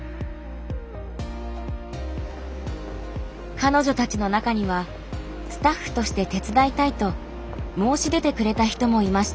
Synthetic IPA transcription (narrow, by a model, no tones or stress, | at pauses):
kano̞ʑo̞t̪at͡ɕino̞nakaɲ̟iβ̞a | sɨ̥t̪aɸːɯ̟̥t̪o̞ɕi̥t̪e̞t̪e̞t͡sɨd̪ait̪ait̪o̞ | mo̞ːɕid̪e̞t̪e̞kɯ̟ɾe̞t̪açi̥t̪o̞mo̞imaɕi̥t̪